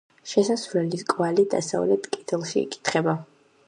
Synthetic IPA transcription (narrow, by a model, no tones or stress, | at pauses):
ʃɛsasvlɛliskʼvalid̪a̰sa̰vlɛt̪ʰkʼɛt̪ʰɛlˠʃḭːkʼi̥t̪ʰχɛba